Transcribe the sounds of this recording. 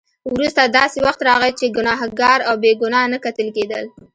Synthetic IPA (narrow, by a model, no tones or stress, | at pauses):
wɾust̪ad̪ɑsewaxt̪ɾɑɣət͡ʃeɡʊnɑɦɡɑɾawbeɡʊnɑnakat̪əlked̪ə̰l